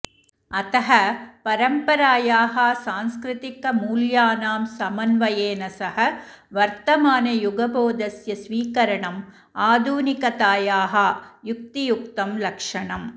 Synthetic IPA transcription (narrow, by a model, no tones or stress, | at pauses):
ɐt̪ɐɦɐpɐɾɐmpɐɾaːjaːɦaːsaːnskɾɪt̪ɪkːɐmuːljaːnaːmsɐmɐnʋɐjeːnɐsɐɦɐ | ʋɐɾt̪ɐmaːnɐjʊɡɐboːd̪ɐsjɐsʋiːkɐɾɐɳɐm | aːd̪ʱuːnɪkɐt̪aːjaːɦajʊk̚t̪ijʊkt̪ɐmlɐkʂɐɳɐm